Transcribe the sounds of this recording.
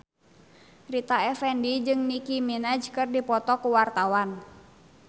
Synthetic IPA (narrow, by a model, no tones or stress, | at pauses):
rit̪aɛfɛndid͡ʒɨŋnikiminad͡ʒkɨrdipɔt̪ɔkuwart̪awan